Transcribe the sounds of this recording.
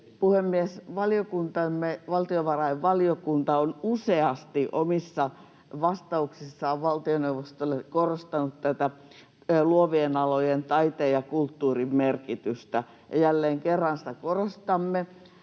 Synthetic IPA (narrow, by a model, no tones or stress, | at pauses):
puhemːiesʋɑlijokunt̪ɑmːeʋɑlt̪ioʋɑrɑiʋʋɑliokunt̪ɑonuseɑst̪iʔomisːɑ | ʋɑst̪ɑuksisːɑoʋʋɑlt̪ioneuʋˑost̪olːekorost̪ɑnut̪t̪æt̪æ | luoʋienɑlojent̪ɑit̪eːjɑkult̪ːuːrimmerkit̪yst̪æ | jɑjælːeːŋkerːɑnsĭ̥t̪ækorost̪ɑmːe